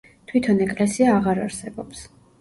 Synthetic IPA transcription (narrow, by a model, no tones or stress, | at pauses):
t̪ʰwit̪ʰɔnɛkʼlɛsiaːʁaɾaɾsɛbɔps